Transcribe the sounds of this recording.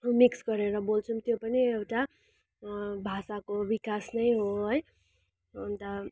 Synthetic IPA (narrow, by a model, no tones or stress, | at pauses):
miksɡʌɾeɾʌbolt͡sʰumt̪jopʌniewʈa | bʱasakobikasnʌjɦoɦoj | ʌnt̪ʌ